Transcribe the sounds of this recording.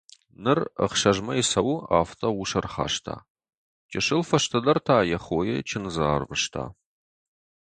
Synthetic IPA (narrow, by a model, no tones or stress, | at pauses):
nɨrə̰χʃɐʒmɐjɪsɐwa̰ːftʰɐwuʂɐrχa̰ːʃtʰa̰ː | t͡ʃʼɪʃɨlfɐʃtʰɐdɐrtʰaːjɛχoːjɛt͡ʃʰɪnzaːrvɨʃtʰa̰ː